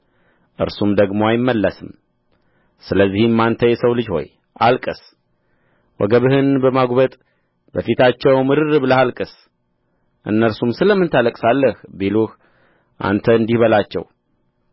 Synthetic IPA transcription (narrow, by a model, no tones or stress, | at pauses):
ʔɨ̰ɾsumd̪əɡmoajɪmːəlːəsɨm | sɨləzːihmːant̪ʰəjɛsəwlɨd͡ʒho̞̰j | ʔalkʼɨs | wɔ̰ɡəβɨhɨnbəmaɡʷbət̪ʼ | bəfit̪ʰat͡ʃːɛwmɨɾɨɾɨbɨləhalkʼɨs | ʔɨ̰nːəɾsumsɨləmːɨnt̪ʰaləkʼsalːəhbeluh | ʔa̰nt̪ʰəɨnd̪ihβəlat͡ʃːɛ̰w